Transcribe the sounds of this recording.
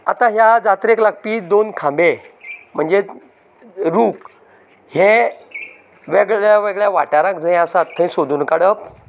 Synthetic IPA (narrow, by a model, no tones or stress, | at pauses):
at̪ãɦjad͡zat̪ɾeklak̚piːd̪onkʰãmbem̤əɳd͡ze | ɾuːk | hẽ | ʋeɡɭjaʋeɡɭjaʋa̰ʈaɾãkd͡zəj̃asat̪ʰːəĩsod̪ʱuːnkaɽəp̚